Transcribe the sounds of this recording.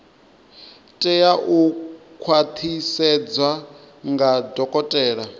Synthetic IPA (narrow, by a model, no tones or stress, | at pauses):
tʼɛjaʔukʰwat̪ʰisɛd͡zwa | ŋɡadɔkʼɔtʼɛːɺa